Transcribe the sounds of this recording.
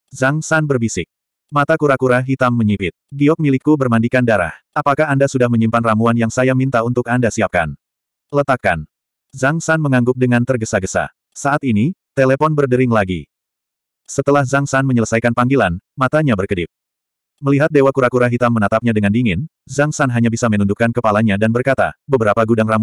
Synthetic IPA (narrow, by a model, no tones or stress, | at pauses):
zaŋsanbərbisɪk̚ | mat̪akuɾakuɾaɦit̪amːəɲipɪt̪̚ɡiɔk̚milikːubərmandikandaɾa̰hʔapakahandasudahməɲimpanramuanjaŋsajamint̪aunt̪ʊkandasiap̚ka̰n | lət̪ap̚ka̰n | zaŋsanməŋaŋɡʊp̚dəŋant̪ərɡəsaɡəsa̰ | saʔat̪init̪elepɔnbərdəɾɪŋlaɡḭ | sət̪əlahzaŋsanməɲələsajkanpaŋɡilanmat̪aɲabərkədɪp̚ | məliɦat̪̚dewakuɾakuɾaɦit̪amːənat̪ap̚ɲadəŋandiŋɪn | zaŋsanɦaɲabisamənundukːankəpalaɲadanbərkat̪a̰bəbəɾapaɡudaŋramu